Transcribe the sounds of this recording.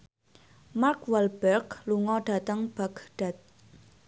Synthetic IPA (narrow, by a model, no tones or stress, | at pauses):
markwɛlbɛrkluŋɔɖ̥a̤t̪əŋb̥aɡ̥ɖ̥a̤t̪̚